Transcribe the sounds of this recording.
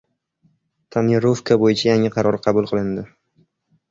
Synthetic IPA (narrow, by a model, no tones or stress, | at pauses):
t̪ʰanjeɾofkʰabojɪt͡ʃʰajaŋɪqʰɑɾɒɾqʰɑbulˠqʰɨlˠɪnd̪ɪ